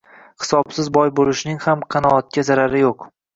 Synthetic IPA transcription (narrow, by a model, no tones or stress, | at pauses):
hɪ̥sɒbsɪzbɒjbolɪʃnɪŋhamqʰɑnɒːt̪̚kʲʰazaɾaɾɪjoq